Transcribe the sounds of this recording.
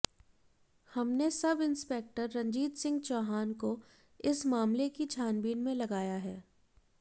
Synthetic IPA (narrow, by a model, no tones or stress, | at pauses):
hɐmnesɐbɪ̃nspeːk̚ʈəɾːɐ̃ɲd͡ʒiːt̪sɪ̃ŋɡt͡ʃɔːɦaːnko | ɪsmaːmlekit͡ʃʰaːnbiːnmẽlɐɡaːjaɦɛː